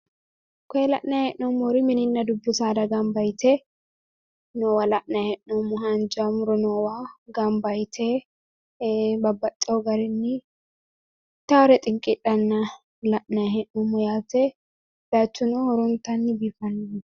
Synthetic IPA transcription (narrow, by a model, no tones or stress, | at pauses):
kɔɛlɐ̰ʔnɐhɛʔnɔmːɔɾɪmɪnɪnːɐd̪ʊbːʊsaːd̪ɐɡɐmbɐjt̪ʰɛ | nowɐlɐʔnɐhɛʔnɔmːɔɦɐnd͡ʒamʊɾɔnowaɡɐmbɐjt̪ʰɛ | bɐbːɐt̪ʼːɛɔɡɐɾɛnːɪ | t̪aːɾɛt̪ʼɪŋkʼɪᶑɐnːɐ | lɐʔnɐhɛʔnɔmːɔjaːt̪ɛ | b̥at͡ʃːʊnohɔɾɔnt̪ɐnːɪbifɐnː